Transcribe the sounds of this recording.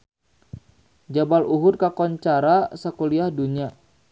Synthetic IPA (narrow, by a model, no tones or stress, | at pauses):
d͡ʒabaluɦʊrkakɔɲt͡ʃaɾasakoliahduɲa